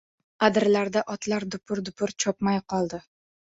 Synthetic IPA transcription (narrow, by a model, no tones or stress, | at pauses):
ad̪ɪɾlaɾd̪aʔɒt̪laɾd̪ʊpʰʊɾd̪ʊpʰʊɾt͡ʃʰɒp̚majqʰɒlˠd̪ɪ